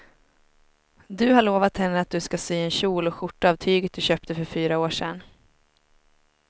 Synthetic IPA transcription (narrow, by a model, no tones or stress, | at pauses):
d̪ɵɦaɭoːvat̪hɛnːəat̪̚d̪ɵskasyːɛnɕuːlɔɧʊʈːaaːvt̪ʰyːɡət̪̚d̪ɵɕøːp̚t̪əfœɾfyːɾaoːʂɛ̰nː